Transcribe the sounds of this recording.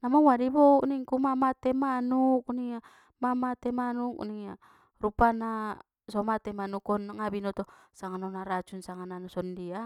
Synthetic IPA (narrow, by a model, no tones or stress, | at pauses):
namaŋwadibɔuʔniŋkumamat̪emanuk̚niŋa | mamat̪emanuk̚niŋa | rupana | sɔmat̪emanukɔnŋabinɔt̪ɔsaŋanɔnaɾat͡ʃunsaŋananɔsɔndia